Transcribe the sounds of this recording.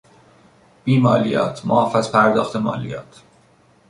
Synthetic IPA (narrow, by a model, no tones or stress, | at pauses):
b̥iːmɒːlijɒ̰ːt̪ʰmoɒfæzpʰæɾd̪ɒːxt̪emɒ̰ːlḭjɒ̰ːt̪ʰ